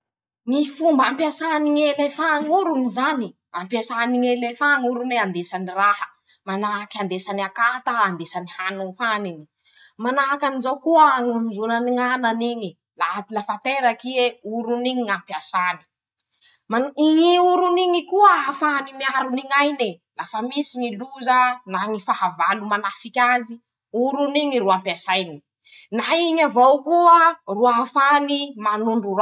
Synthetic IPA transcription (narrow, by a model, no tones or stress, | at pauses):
nifumbampiasaniŋelefaŋuɾunizani | ampasaniŋelefaŋuɾuneand̪esanirahə | manakiand̪esaniakat̪aand̪esanihanuhanini | manakanizawkuəŋamizunaniŋananiɲi | lat̪ilafant̪eɾakieuɾuniɲiŋampiasani̥ | maiɲiuɾuniɲikuəːfanimiaɾuniɲajne | lafamisiɲiluzənaŋifaɦavalumanafikʲazi | uɾuniɲiɾuampiasajni | naiɲavowkuəruaafanimanuɳɖ͡ʐuɾa